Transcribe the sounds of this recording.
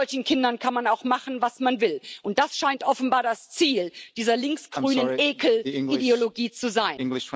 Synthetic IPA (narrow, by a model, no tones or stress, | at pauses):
ɔlçn̩kʰɪndɐnkʰanmanaʊxmaχn̩vasmanvɪlʔʊnt̚d̥asʃaɪntʔɔfn̩baːɐdast͡siːld̥iːzɐlɪŋksɡ̥ʁyːnəneːkl̩ŋideoloɡiːt͡suzaɪn